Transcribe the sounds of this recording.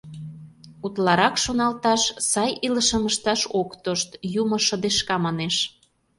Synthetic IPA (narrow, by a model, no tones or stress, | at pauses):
ut̪lɑɾɑkʃonɑlt̪ɑʃsɑjiləʃə̆məʃt̪ɑʃokt̪oʃt̪jumŏʃə̆d̪eʃkɑmɑneʃ